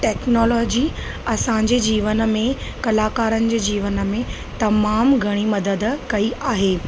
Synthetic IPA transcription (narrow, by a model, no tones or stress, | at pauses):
ʈɛːknɔːlɔːd͡ʑiː | ɐsãɲd͡ʑed͡ʑiːʋənə̆mẽkɐlaːkaːɾənɪ̆d͡ʑeːd͡ʑiːʋənəmẽ | t̪ɐmaːmɡʱɐɽ̃imɐd̪əd̪kɐiʔaːɦeː